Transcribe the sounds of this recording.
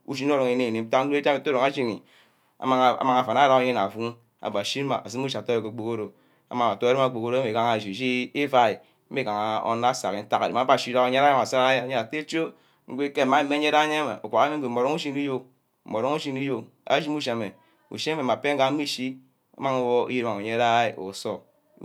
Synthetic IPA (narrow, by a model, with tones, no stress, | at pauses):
ṵ˦˨ʃ̬i˦n˦o˦ɾo˨ŋe˨ne˨ne˨m̩˦ta˦o˦e˦me˨to˦ɾo˨ŋa˦ʃi˦nḭ˨ | a̰˨ma˦ŋ˨a̰˨ma˨ŋa˨fa˨n˨a˦ɾa˦o˨ɲe˦na˨fu˦ŋ | a̰˨ba˨ʃi˦a̰˨a̰˨s̬i˦m˦u˦ʃto˦o˨ke˨k͡po˨ko˦ɾo˨ | a̰˨ma˨a˨to˦ɾe˦ma˨k͡po˨ko˦ɾo˦me˨ka˦ŋa˨ʃi˨ʃi˦i˦fa˦i˨˦ | e˦ka˨ŋa˨o̰˦na˦sa˨ki˨n̩˦ta˦ka˨e˨ma˨˦ba˦˨ʃi˦ɾa˦kɲe˦ɾa˦ja˦ma˨sa˦ɾa˦a˦ja˦˨˦ɲe˦a˨te˦t͡ʃo˦ | ŋ̩˦ɡʷe˦ke˦˨ma˦˨˦me˦ɲ˦e˦ɾa˦ɲe˦ma̰˨o̰˨kʷa˨ka˦me˦ɡe˨o˨ɾo˦u˦ʃi˦ni˦jo˦˨ | mo˨ɾo˦ŋu˦ʃi˦ni˦jo˨ | a̰˦d͡ʒi˦mu˦ʃa˨me˨ | ṵ˨ʃi˦me˨m˨a˨pe˦ŋ̩˦ɡa˨˦mi˦ʃi˦ | a̰˦ma˦ŋo˦wo˦o̰˦ji˦a˦ma˨o˨ɲe˦ɾa˦i˦o̰˨so˦